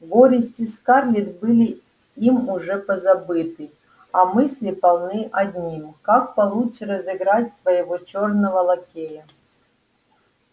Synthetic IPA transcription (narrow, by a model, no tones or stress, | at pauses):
ɡoɾʲɪsʲtʲiskarlʲit̪bɨlʲi | imuʐɛpəzabɨt̪ɨ | amɨsʲlʲipɐlˠnɨʔɐd̪ʲnʲimkak̚pɐlˠut͡ʃrəzɨɡɾatʲsvəjɪvot͡ɕornəvəlˠɐkʲejə